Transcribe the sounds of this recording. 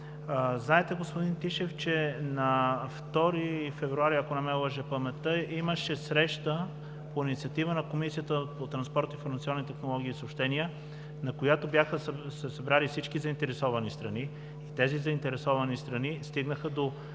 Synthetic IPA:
znaɛt̪ɛɡospod̪int̪iʃɛft͡ʃɛnɐft̪ɔɾifɛvɾuaɾiɐkonɐmɛlˠəʒɛpɐmɛt̪əiməʃɛsɾɛʃt̪ə | poinit̪siɐt̪ivənɐkomisijət̪əpot̪ɾɐnspɔɾt̪ifoɾmɐt̪siɔnːit̪ɛxnolˠɔɡ̟iːsəopʃt̪ɛniə | nɐkojat̪objaxəsɛsɐbɾalifsit͡ʃkizɐint̪ɛɾɛsɔvɐnist̪ɾɐniː | t̪ɛzizɐint̪ɛɾɛsɔvɐnist̪ɾɐnist̪iɡnəxəd̪o

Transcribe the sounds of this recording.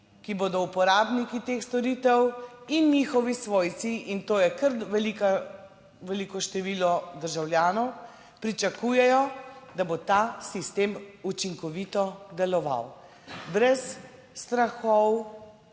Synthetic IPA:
kiboːd̪ɔupɔɾaːbnikit̪eːxst̪ɔɾit̪ɛwinɲixɔʋisʋoːjt̪siʔint̪oːjɛkəɾʋɛlika | ʋɛlikɔʃt̪ɛʋiːlɔd̪əɾʒawljaːnɔw | pɾit͡ʃakuːjɛjɔd̪abot̪asist̪eːmut͡ʃiŋkɔʋit̪ɔd̪ɛlɔʋa̰w | bɾɛsː | t̪ɾaxɔw

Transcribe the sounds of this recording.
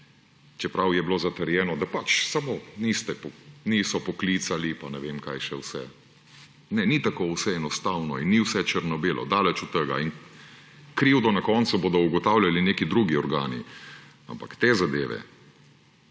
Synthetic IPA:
t͡ʃɛpɾawjɛbloːzat̪əɾjɛːnɔd̪apat͡ʃsamonist̪ɛpɔnisɔpɔklit̪salipanɛʋemka̰jʃɛwsɛ̰ | nɛnit̪akowsɛɛnɔst̪awnɔinːiwsɛt͡ʃəɾnɔbeːlʔɔ̰d̪alɛt͡ʃut̪ːəɡa̰in | kɾiːwd̪ɔnakɔnt̪suboːd̪ɔuɡɔt̪awlʲjalineːkid̪ɾuɡiɔɾɡa̰ːnḭ | a̰mpakt̪ezad̪eːʋɛ̰

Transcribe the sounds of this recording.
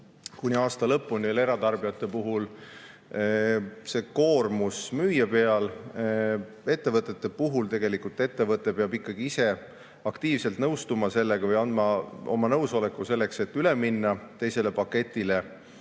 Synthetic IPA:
kunʲiɑːst̪ɑlɤpːˑulneleeɾɑt̪ɑrb̥ijɑt̪ːˑe̞puɦul | se̞ko̞ːrmusmyːjɑpe̞ɑl | e̞t̪ːe̞vɤt̪ːˑe̞t̪ːe̞puɦult̪e̞ɡ̥e̞likult̪e̞t̪ːe̞vɤt̪ːˑe̞peɑbikːˑɑɡ̥iise̞ | ɑkt̪iːvselt̪nɤwst̪umɑse̞lːeɡ̥ɑvɤjɑnd̪mɑo̞̰mɑnɤwso̞lekːˑuse̞lːekse̞t̪ːyleminːɑt̪e̞jse̞le̞pɑkːˑe̞t̪ʲːˑile̞

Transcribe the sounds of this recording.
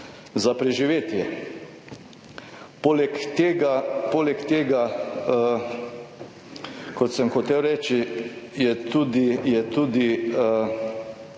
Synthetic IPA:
zapɾɛʒiʋeːt̪jɛ | polɛkt̪eːɡapoːlɛkt̪eːɡa | kɔt̪sɛmxɔt̪ewɾɛːt͡ʃijɛt̪uːd̪ijɛt̪uːd̪iə

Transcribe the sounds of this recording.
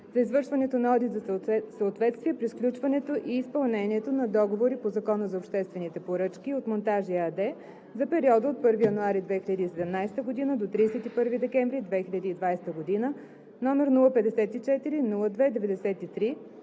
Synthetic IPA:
zɐizvɤɾʃvɐnɛt̪onɐɔd̪it̪zɐsəot̪vɛt̪st̪viɛpɾisklʲut͡ʃvɐnɛt̪oʔiːspɐlˠnɛniɛt̪onɐd̪ɔɡovoɾipozɐkɔnəzɐopʃt̪ɛst̪vɛnit̪ɛpoɾɤt͡ʃkʲiot̪mont̪aʒiəɐd̪ɛ | zɐpɛɾiɔd̪əot̪̚pɤɾvijɐnuaɾid̪vɛxiʎʲəd̪iːsɛd̪ɛmnajst̪əɡod̪inəd̪ot̪ɾiːsɛt̪ipɤɾvid̪ɛkɛɱvɾid̪vɛxilʎʲəd̪iːd̪vajst̪əɡod̪inə | nɔmɛɾnulˠəpɛd̪ɛsɛt̪it͡ʃɛt̪iɾinulˠəd̪vɛd̪ɛvɛd̪ɛsɛt̪it̪ɾi

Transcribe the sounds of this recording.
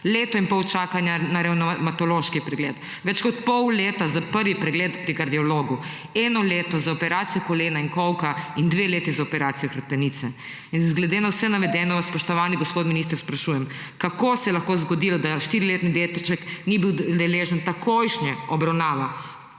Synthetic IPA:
leːt̪ɔimpɔwt͡ʃaːkanjanaɾɛwnɔmat̪ɔloːʃkipɾɛɡleːt̪ | ʋɛt͡ʃkɔt̪pɔwleːt̪azapəɾʋipɾɛɡleːt̪pɾikaɾd̪iɔloːɡu | ɛːnɔleːt̪ɔzaɔpɛɾaːt̪sijɔkoleːnainkɔwkaind̪ʋeːleːt̪izaopɛɾaːt̪sijɔxɾaɾt̪ɛniːt̪sɛ | inzɡlɛd̪eːnawsɛnaʋɛd̪ɛnɔʋaspɔʃt̪ɔʋaːniɡospoːt̪minist̪əɾspɾaʃuːjɛm | kakoːsɛlaxkozɡɔd̪ilɔd̪aʃt̪iɾileːt̪nid̪eːt̪it͡ʃɛknibiwd̪ɛleːʒənt̪akojʃɲɛɔbɾawnaːʋa

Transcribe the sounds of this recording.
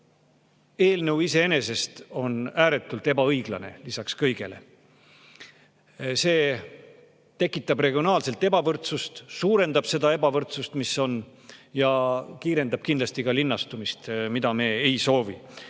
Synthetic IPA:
e̞ːlnəwise̞ene̞se̞st̪o̞næːɾe̞t̪ːˑult̪e̞bɑɤjɡ̥lɑne̞̰lisɑkskɤjɡ̥e̞̰le̞̰ | se̞ː | t̪e̞kːˑit̪ːˑɑbre̞ɡ̥io̞nɑːlse̞lt̪ːˑe̞bɑvɤrt̪sust̪suːɾe̞nd̪ɑb̥se̞d̪ɑe̞bɑvɤrt̪sust̪miso̞n | jɑkiːɾe̞nd̪ɑb̥̚kind̪lɑst̪ikɑlinːɑst̪umist̪mid̪̥ɑme̞ːejso̞ːvḭ

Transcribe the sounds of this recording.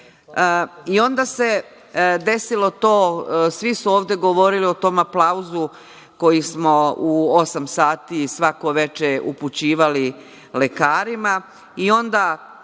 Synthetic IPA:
io̞nd̪ase̞ | d̪e̞silo̞t̪o̞ːsʋisuoːʋd̪e̞ɡo̞ʋo̞ɾilio̞t̪o̞ːmaplˠauzu | ko̞jismo̞uosamsaːt̪isʋako̞ʋe̞t͡ʃeṵput͡ɕiːʋali | le̞kaːɾima | io̞nd̪a

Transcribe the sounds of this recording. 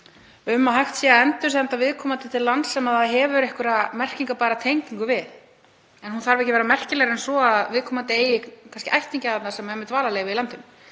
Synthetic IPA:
ʏmːaɦajxt̪sɛaɛnt̪ʏs̬ɛant̪avɪðkʰɔːmat̪ɪt̪ʰɪlːant̪sɛmaðaɦɛvʏɾɛhkʏɾamɛr̥ciŋkapaːjɾat̪ʰejɲciŋkʏvɪð | ɛnhunθaɾvɛhcɪvɛɾamɛr̥cɪlɛɣɾɛnsɔaðvɪðkʰɔːmat̪eːjɪkʰanscɪʔajht̪iɲcɪaðat̪nasɛmaɛmːɪt̪vaːlaleːɣvɪðilant̪ʏn

